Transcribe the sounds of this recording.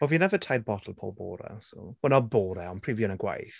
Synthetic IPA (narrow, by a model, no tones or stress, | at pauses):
ɔviːnɛvətʰajdbɔdʰl̩ˠpʰo̰ːlˠbo̰ːɾɛ̰sṵlənɔboːɾɛɔnpʰrivjɔnəɡwa̰jθ